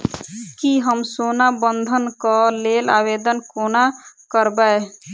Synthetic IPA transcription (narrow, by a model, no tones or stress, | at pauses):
kiɦəmsonabənd̪ʱənkəlela̰bed̪ənkonakəɾbae